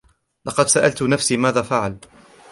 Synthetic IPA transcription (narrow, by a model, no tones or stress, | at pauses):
lɑqɑd̪saʔalt̪nafsiːmaːðaːfaʕal